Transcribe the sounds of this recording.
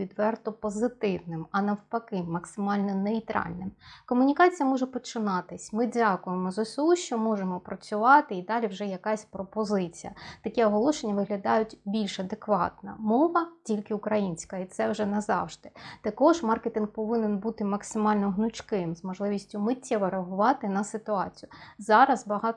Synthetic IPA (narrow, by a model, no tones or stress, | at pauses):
id̪ʋɛrt̪ʊpɔzɪt̪ɪwnɪmɐnɐwpɐkɪmːɐksɪmɑlʲnɔnɛit̪ɾɑ̰lʲnɪmkɔmʊnʲikɑt͡sʲijɐmɔʒɛpɔt͡ʃɪnɑt̪ɪsʲmɪdʲakʊjemɔzɔsʲuʃt͡ʃɔmɔʒemɔpɾɐt͡sʲʊʋɑt̪ɪid̪ɑlʲiwʒɛjɐkɑsʲpɾɔpɔzɪt͡sʲijɐ̰t̪ɐkʲɛɔɦɔlˠɔʃenʲːɐʋɪɦlʲɐd̪ɑjʊtʲbʲilʲʃɐd̪ekʋɑ̰t̪nɐ̰mɔʋɐtʲilʲkɪʊkɾɐjinʲsʲkɐit̪sɛwʒɛnɐzɑ̰wʒd̪ɪt̪ɐkɔʒmɑrket̪inɡpɔʋɪnenbut̪ɪmɐksɪmɑlʲnɔɦnʊt͡ʃkɪmzmɔʒlˠɪʋʲisʲtʲʊmɪtʲːɛʋɔɾeɐɦʊʋɑt̪ɪnɐsɪt̪ʊɑt͡sʲijʊzɑɾɐzbɐɦɑt̪